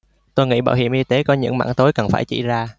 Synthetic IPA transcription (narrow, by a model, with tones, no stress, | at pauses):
t̪o˧jŋḭ˧˥ɓa̰ː˧˨wɦḭ˧˨əmʔi˧t̪e˨˦kɔ˨˦ɲɨ̰˧˥ŋma̰ː˧˥ŋt̪o˨˦jkə˨˩nfaː˧˩jt͡ɕḭ˧˩zaː˧